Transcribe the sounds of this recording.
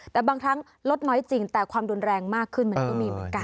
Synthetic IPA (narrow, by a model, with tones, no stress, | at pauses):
t̪ɛː˨˩baː˧ŋkʰɾa˦˥ŋ | lo˦˥t̪̚nɔː˦˥jt͡ɕi˨˩ŋt̪ɛː˨˩kʰwaː˧mɾu˧nɾɛː˧ŋmaː˥˩kʰːɯ˥˩nm˧˩˦nkɔː˥˩miː˧mɯ˨˩˦ə˦nka˧n